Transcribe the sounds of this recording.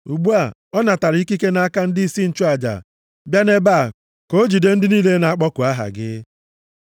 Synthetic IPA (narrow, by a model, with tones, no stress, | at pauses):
u˨ɡ͡bu˦a˨ɔ˦na˨ta˨ɾɪ˨˦i˦ki˦ke˦na˨˦a˦ka˦n̩˦di˦i˨si˦n̩˨t͡ʃu˦a˨d͡ʒa̰˨ | bja˦ne˦ba˦˨ | ko˦d͡ʒi˨de˦n̩˦dɪ˦niː˦le˦na˨a˦k͡pɔ˦kʊ˨a˦ɦa̰˨ɡɪ̰˦